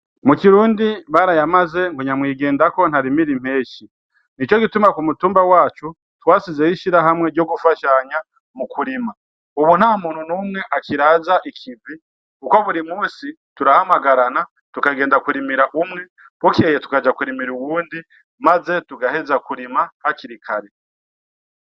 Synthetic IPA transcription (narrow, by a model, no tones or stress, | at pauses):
mukiɾuːndiβaɾajamaze̞ŋ̥koɲamwiːɡe̞ːndako̞n̥haɾimiɾim̥e̞ːʃi | nit͡ʃo̞kitumakumutuːmbawaːt͡ʃu | twaːsizeiʃiɾaɦamwe̞ɾɟo̞ɡufaʃaɲa | mukʰuɾima | uβun̥amuːnhunuːmŋe̞ʔakiɾazaʔikʰibi | kuko̞βuɾimuːsi | tuɾahamaɡaɾana | tukaɡe̞ːndakuɾimiɾaʔumŋe̞ | kwukiejetu̥kad͡ʒakuɾimiɾuwuːndi | maze̞tuɡahe̞zakuɾimahaciɾikʰaɾe